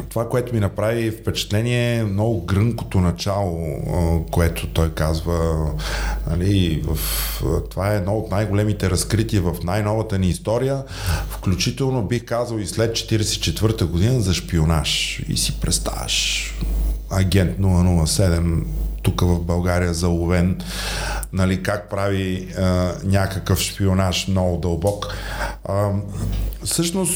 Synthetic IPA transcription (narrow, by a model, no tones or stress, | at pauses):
t̪ovakoɛt̪ʊminɐpɾavifpɛt͡ʃɛ̥t̪lɛniɛmnɔɡʊɡɾəŋko̥t̪onɐt͡ʃalˠokoɛt̪ʰot̪ɔjkazvə | nɐ̰livəft̪ovaɛːd̪nɔot̪najɡolɛmit̪ɛɾɐskɾit̪iəvɐfnajnɔvət̪əniːst̪ɔɾijə | fklʲut͡ʃit̪ɛlˠnobixkazəlˠislɛt̪̚t͡ʃɛ̥t̪iɾɛsɛ̥it͡ʃɛt̪vɤɾt̪əɡod̪inəzɐʃpionaʃḭsipɾɛ̰t̪st̪a̰vɐ̰ʃ | ɐɡʲɛnt̪nulˠɐnulˠəsɛd̪ɛmt̪ukəvɐvbɐlˠɡaɾijəzɐlˠʊvɛn | nɐlikak̚pɾavi | nʲakəkəfʃpionaʃnɔvʊd̪ɐlˠbɔk | sɤʃnos